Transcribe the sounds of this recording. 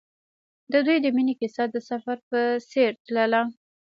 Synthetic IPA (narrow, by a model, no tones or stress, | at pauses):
d̪əd̪ujd̪əminikɪsɑd̪əsafaɾpəseɾt̪ləla